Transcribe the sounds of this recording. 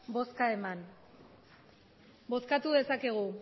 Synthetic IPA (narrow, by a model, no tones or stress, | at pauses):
bo̞skae̞man | bo̞skat̪uðe̞sake̞ɣ̞u